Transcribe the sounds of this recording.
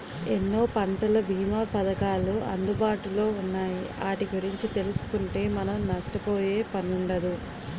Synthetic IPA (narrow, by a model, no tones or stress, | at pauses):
enːo̞ːpɐɳʈɐlɐbʱiːmaːpɐd̪ɐkaːluɐ̰nd̪ubaːʈulo̞ːunːaːjiaːʈiɡuɾiɲt͡ʃit̪e̞lusu̥kuɳʈe̞ːmɐnɐmnɐʂʈɐpoːje̞ːpɐnuɳɖɐd̪u